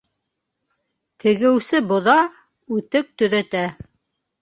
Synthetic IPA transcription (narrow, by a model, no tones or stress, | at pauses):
t̪ʰɘ̆ɡɘ̆wsɘbŏðɑ | ʉt̪ɘk̚t̪ɵ̆ðæt̪æ